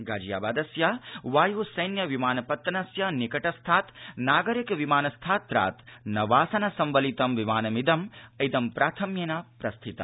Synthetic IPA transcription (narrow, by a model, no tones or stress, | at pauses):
ɡaːd͡ʒija̰ːbaːd̪ɐsjaʋaːjuːsɐjnjɐʋimaːnɐpɐt̪ːɐnɐsjanikɐʈɐst̪ʰaːt̪naːɡɐɾikʋimaːnɐst̪ʰaːt̪ːɾa̰ːt̪nɐʋaːsɐnɐsɐmʋɐlit̪ɐmʋimaːnɐmid̪ɐmɐjd̪ɐmpɾʔaːt̪ʰɐmjɐnapɾɐst̪ʰit̪ɐ̰